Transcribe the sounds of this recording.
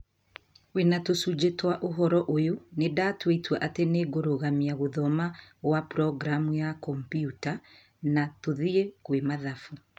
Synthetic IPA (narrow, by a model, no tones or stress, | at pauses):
wenatosud͡ʒetwaʔoɦɔɾɔʔojonedatweitwɛʔateneɡoɾoɣamiaɣoðɔmawapɾɔɡɾamujakɔmpjuta | natoðiekwemaðafu